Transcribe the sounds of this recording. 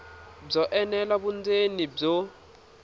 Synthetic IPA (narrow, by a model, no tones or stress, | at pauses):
b͡ʐɔʔɛnɛlaɓund͡zenib͡ʐɔ